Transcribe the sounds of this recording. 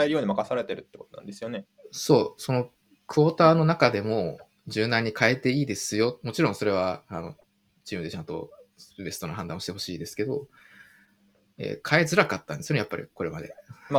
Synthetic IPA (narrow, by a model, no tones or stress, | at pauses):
aeɾɯjoːɲ̟imakasaɾe̞t̪e̞ɾɯ̟t̪ːekot̪onã̰nd̪e̞sɨjo̞ne | so̞ːso̞no̞ | kɯ̟oːt̪aːno̞nakad̪e̞mo̞ | d͡ʑɨːnãɲ̟ːikʰae̞t̪e̞iːd̪e̞sɨjo̞mo̞t͡ɕiɾõɰ̃so̞ɾe̞β̞aano̞̰ | d͡ʑiːmɯe̞t͡ɕãnt̪o̞̰ɯbe̞so̞noɦãnd̪ãoɕi̥t̪e̞ɦoɕiːd̪e̞sɨ̥ke̞d̪o̞̰ | ḛːkʰae̞zɨɾakat̪ːãnd̪sɨjoejapːaɾʲḭko̞ɾe̞mad̪e̞̰ma